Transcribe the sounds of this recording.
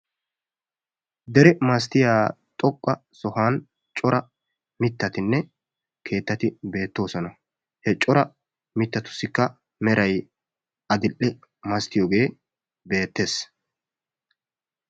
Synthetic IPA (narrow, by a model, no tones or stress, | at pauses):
d̪ɛɾɛmɐst̪ɪjaːt̪ʼɔkʼːɐsɔhaːn | t͡ʃʼɔɾɐ | mɪt̪ːɐt̪ɪnːɛ | kʰe̞ːt̪ːɐt̪ɪbe̞ːt̪ːo̞ːsɔnɐ | hɛt͡ʃʼɔɾɐ | mɪt̪ːɐt̪ʊ̥sːɪkːɐ | mɛɾɐj | ɐd̪ɪlːɛ | mɐst̪ɪjoːɡe̞ː | be̞ːt̪ːe̞ːs